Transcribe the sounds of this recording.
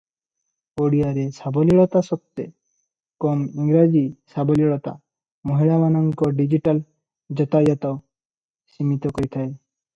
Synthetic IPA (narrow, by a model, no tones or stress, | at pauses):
koɽijaɾesabɔliɭɔt̪asɔp̚t̪ːe | kɔmiŋɡɾad͡ʑisabɔliɭɔt̪a̰ | moɦiɭabanɔŋkɔɖid͡ʑiʈal | d͡ʒɔt̪ajɔt̪a | simit̪ɔkɔɾit̪ʰae